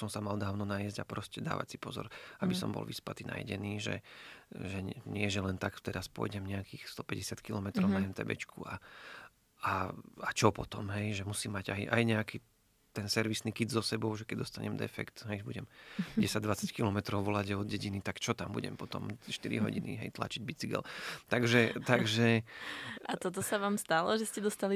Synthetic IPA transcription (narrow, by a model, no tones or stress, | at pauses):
sɔmsamald̪aːʊnɔnajɛzɟapɾɔscɛd̪a̰ːʋa̰csipɔzɔ̰ɾabisɔ̰mbɔ̰lʋḭspat̪iːna̰jɟɛniːʒɛ̰ʒɛɲɪɛʒɛlɛnt̪akt̪ɛɾaspʊɔ̰jɟɛmɲɛakiːxst̪ɔpɛɟɛsɪat̪kilɔmɛt̪ɾɔʊnaɦɛnt̪ɛ̰bɛ̰t͡ʃkʰṵa | aat͡ʃɔpɔt̪ɔmɦɛjʒɛmusiːmːaɟajʔa̰jɲɛakiː | t̪ɛnsɛɾʋisnikid̪zɔsɛbɔʊʒɛkɛɟd̪ɔst̪aɲɛ̰md̪ɛ̰fɛ̰kt̪ɦɛjʒbuɟɛmɟɛsaɟ̚d̪ʋat͡sackilɔmɛt̪ɾɔʊʋɔlaɟaɔd̪̚ɟɛɟinit̪akt͡ʃɔt̪ambṵɟɛ̰mpɔt̪ɔ̰mʃt̪iɾḭɦɔ̰ɟḭnḭɦɛ̰jt̪la̰t͡ʃiɟbit͡siɡɛ̰lt̪aɡʒɛt̪aɡʒɛ | ʔat̪ɔt̪̬ɔsaʋaːmst̪alɔʒɛscɛd̪ɔst̪ali